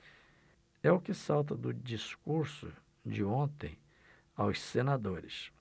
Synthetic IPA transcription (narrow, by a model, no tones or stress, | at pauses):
ɛʊkɪsawt̪̬ɐd̪ʊd͡ʒiskuɾsʊ̰ | d͡ʒɪõnt̪ḛ̃j̃ | awssenad̪oɾɪ̰s